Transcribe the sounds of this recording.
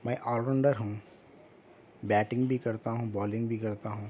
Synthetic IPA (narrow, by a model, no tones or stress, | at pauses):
maːʔɔːlɾə̃ɳɖəɾɦɐ̃ | bɛːʈɪ̃ŋɡbʱikɐɾt̪aɦũbɔːlɪ̃ŋɡbʱikɐɾt̪aɦũː